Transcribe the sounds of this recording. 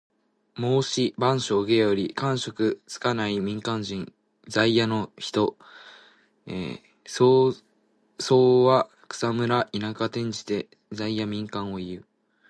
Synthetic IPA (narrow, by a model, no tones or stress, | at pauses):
mo̞ːɕibãɰ̃ɕo̞ɯɡe̞joɾʲikãɰ̃ɕo̞kɯ̟t͡sɨ̥kanaimʲĩŋkãɲd͡ʑĩn | d͡zaijano̞çi̥t̪o̞ | ḛ | so | so̞ːβa | kɯ̟̥samɯ̟ɾaʔinakat̪ẽ̞ɲ̟d͡ʑi̥t̪e̞ | zaijamʲĩŋkãɰ̃o̞iɯ̟